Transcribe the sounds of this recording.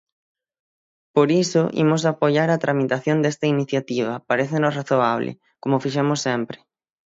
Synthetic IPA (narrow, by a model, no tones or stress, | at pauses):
poɾisʊʔḭmosapoʎaɾat̪ɾʔamit̪aθjond̪est̪ɐiniθjat̪iβ̞ɐpaɾeθɪnosraθoaβlɪ̰ | komofiʃemʊsːempɾɪ̥